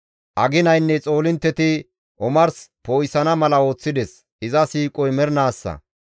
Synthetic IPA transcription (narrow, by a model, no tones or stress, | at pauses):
ʔɐɡɪnɐjnːɛt͡sʼo̞ːlɪnt̪ːɛt̪ɪ | ʔɔmɐɾspoːjsɐnɐmɐlɐo̞ːt͡sːɪd̪ɛs | ʔɪzɐsiːkʼɔjmɛɾnaːsːɐ̰